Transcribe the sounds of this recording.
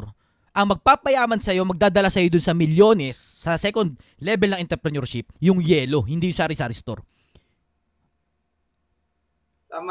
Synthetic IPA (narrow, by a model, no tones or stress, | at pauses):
ɾ | ʔɐŋmɐɡ̚papɐjaːmɐnsɐjo̞mɐɡ̚d̪aːd̪ɐlasɐjo̞d̪ʊnsɐmɪljo̞ːnɛsːɐsɛkond̪̚ | lɛbɛlnɐŋʔɪnt̪ɛɾpɾɛnɛɹʃɪp̚jʊŋjɛːlo̞hɪnd̪iːjʊsaːɾɪsaɾɪst̪o̰ɾ